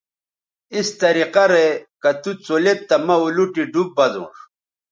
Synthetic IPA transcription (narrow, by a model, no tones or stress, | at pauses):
ist̪ɐɾiqɐɾekɐt̪ut͡solet̚t̪ːɐmɐuluʈiɖub̚ːɐd̪ṵ̃ːʂ